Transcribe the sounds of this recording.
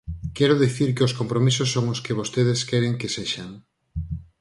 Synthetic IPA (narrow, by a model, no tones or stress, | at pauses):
kɛɾʊðiθiɾkɪoskompɾomisosːoŋoskeβ̞ost̪eðeskɛɾeŋkeseʃaŋ